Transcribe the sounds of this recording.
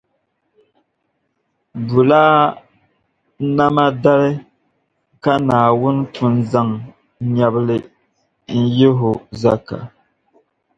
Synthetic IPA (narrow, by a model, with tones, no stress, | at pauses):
bu˨laː˦ | na˦ma˦da˦lɪ˦ | ka˦naː˨wʊ˦n˦tʰʊ˨nza˦ŋ | ɲa˨bɨ˦lɪ˨ | n̩˦je˦ɦʊ˨za˦ka̰˨